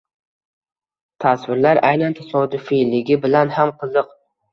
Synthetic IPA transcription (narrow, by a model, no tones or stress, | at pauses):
t̪ʰaswɪɾlaɾajnant̪ʰasɒd̪ʊfilɪɡʲɪbɪlanhamqʰɨzd̪ɨq